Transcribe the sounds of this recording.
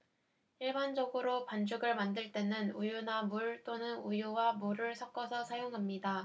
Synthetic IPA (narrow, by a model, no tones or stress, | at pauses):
iɭband͡ʑʌɡɯɾopand͡ʑuɡɯɭmandɯɭt͈e̞nɯnujunamuɭt͈onɯnujuwamuɾɯɭsʰʌk͈ʌsʰʌsʰajoŋɦamɲida